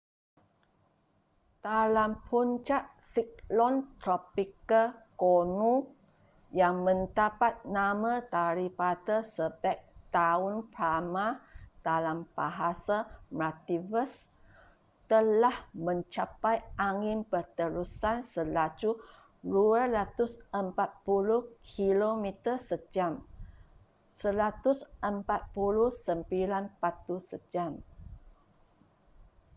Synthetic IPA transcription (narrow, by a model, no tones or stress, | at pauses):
t̪alampʰuɲt͡ʃaʔsik̚lɔnt̪ɾɔpikəlkonũ | jaŋmə̃nd̪apat̪̚namãt̪aɾipat̪əsəbɛk̚t̪aunpɾamad̥alamb̥aɦasamat̪ivəs | t̪əlahmə̃ɲt͡ʃapajʔaŋɪ̃mpərt̪əɾusansəlad͡ʒu | duəɾat̪ʊsəmpat̪̚puluhkʰilomit̪əsəd͡ʒam | səɾat̪ʊsʔəmpat̪̚puluhsəmbilanpat̪usəd͡ʒam